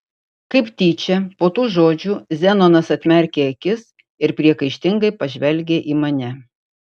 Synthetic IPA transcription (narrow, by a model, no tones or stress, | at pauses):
kɐɪpt̪ʲiːt͡ʃʲɛpoːt̪uːʒoːd͡ʒʲuːzʲɛnoːnɐsɐt̪ʲmʲɛɾʲkʲeːɐkʲɪs | ɪɾpʲɾʲiɛkɐɪʃʲt̪ʲɪŋɡɐɪpɐʒʲʋʲɛlʲɡʲeːʔiːmɐnʲɛ